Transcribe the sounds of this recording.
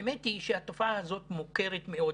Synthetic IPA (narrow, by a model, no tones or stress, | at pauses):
emetiʃehat̪ofaaazo̞t̪moke̞ʁet̪me̞o̞